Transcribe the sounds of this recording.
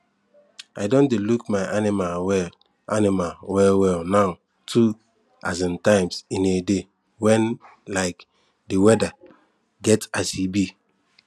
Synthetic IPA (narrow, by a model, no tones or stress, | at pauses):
a̰dõndelukmaɪʔanimalwɛl | animalwɛlwɛlnaʊ | tʰu | a̰zĩntãɪmsĩnede | wɛ̃n | laɪk | dewɛda | ɡɛtasibi